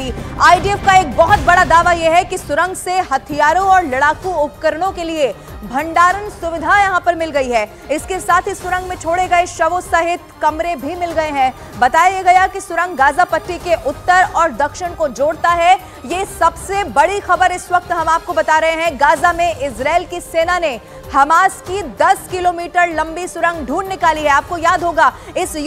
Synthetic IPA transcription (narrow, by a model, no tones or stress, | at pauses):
aːiɖiɛfkaeːk̚bɐɦʊt̪̚bɐɽad̪aːʋajeɦɛkisʊɾə̃ŋɡseɦɐt̪ʰijaːɾõɔːɾlɐɽaːkuʊpkəɾɽ̃õkelie | bʱɐ̃ɳɖaːɾənsʊʋɪd̪ʱajɐɦãpɐɾmɪlɡɐiɦɛː | ɪskesaːt̪ʰisʊɾə̃ŋɡmẽt͡ʃʰoːɽeɡɐeʃɐʋosɐɦɪt̪kɐmɾebʱimɪlɡɐeɦɛ̃ː | bɐt̪aːjeɡɐjakisʊɾə̃ŋɡɡaːzapɐʈːikeʔʊt̪ːəɾɔːɾd̪ɐkʃɪñkod͡ʒoːɽt̪aɦɛ | jesɐbsebɐɽixɐbəɾɪswɐk̚t̪ɦɐmaːp̚kobɐt̪aːɾɐɦeɦɛ̃ɡaːzamẽʔɪsɾaːɪlkiseːnane | hɐmaːskid̪ɐskɪloːmiːʈəɾlɐ̃mbisʊɾə̃ŋɡɖʱuːnːɪkaːliɦɛaːp̚kojaːd̪ʱɦoːɡaːɪs